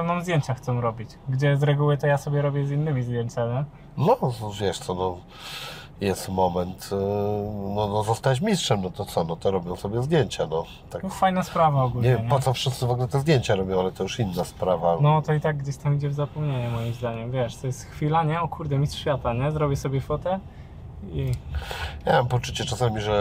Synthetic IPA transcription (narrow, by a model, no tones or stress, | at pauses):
amamzd̪ʲjeɲt͡ɕaxt̪sɔ̃w̃ɾɔbʲit͡ɕɡd͡ʑɛjɛst̪ɾɛɡuwɘt̪ɔjasɔbʲjɛɾɔbʲjɛzinːɘmʲizd̪jɛɲt͡ɕami | nɔvʲjɛʂt̪sɔnɔ | jɛst̪mɔmɛnt̪ | nɔnɔzɔst̪at͡ɕ̬mʲistʂɛmnɔt̪ɔt̪sɔnɔt̪ɔɾɔbʲjɔ̃w̃sɔbʲjɛzd̪jeɲt͡ɕanɔ | t̪ak̪fajnaspɾavaɔɡulɲeɲvjɛmɛpɔt̪ɔfʂɘst̪sɘvɔɡulɛt̪ɛzd̪jeɲt͡ɕaɾɔbʲjɔ̃w̃alɛt̪ɔjuʂinːaspɾavanɔt̪ɔit̪aɡ̚ːd͡ʑeɕt̪amid͡ʑɛvzapɔmɲeɲɛmɔjimzd̪aɲɛmvʲjɛʂt̪ɔjɛst̪xfʲilaɲɛɔkuɾd̪ɛmʲist̪ʂfʲjat̪aɲɛzɾɔbʲjɛsɔbʲjɛfɔt̪ɛ | i | jamampɔt͡ʂut͡ɕɛt͡ʂasamʲiʐɛ